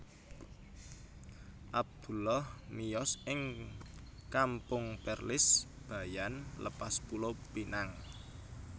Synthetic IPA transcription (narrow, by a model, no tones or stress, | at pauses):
ʔab̚d̪̥ṳlɔhmijɔsʔɪŋ | kampʊŋpɛrlɪs | b̥a̤janlə̰paspulopinaŋ